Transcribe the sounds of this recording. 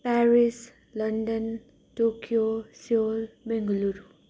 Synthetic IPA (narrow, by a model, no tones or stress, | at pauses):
paɾis | lʌnɖʌn | ʈokjosiolbeŋɡʌluɾu